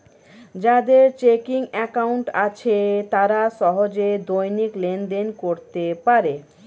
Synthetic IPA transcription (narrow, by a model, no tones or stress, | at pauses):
d͡ʑad̪eɾt͡ɕekiŋɛkawɳʈat͡ɕʰet̪aɾaʃɔɦod͡ʑed̪ojniklenɖenkoɾt̪epaɾe